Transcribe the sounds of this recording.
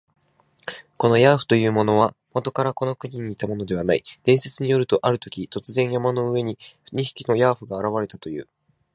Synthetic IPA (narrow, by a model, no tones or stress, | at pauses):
ko̞no̞jaːɸɯ̥t̪o̞jɯ̟ːmo̞no̞β̞amot̪o̞kaɾako̞no̞kɯ̟ɲ̟iɲ̟iːt̪amo̞no̞d̪e̞β̞anaid̪̥ẽ̞ɰ̃se̞t͡sɨɲ̟ijo̞ɾɯ̟t̪o̞ʔaɾɯ̟t̪o̞kʲit̪o̞t͡sɨzẽ̞ɰ̃jamano̞ɯ̟βe̞ɲ̟iɲ̟içi̥kʲino̞jaːɸɯɡaːɾaβaɾe̞t̪at̪o̞jɯ̟̰ː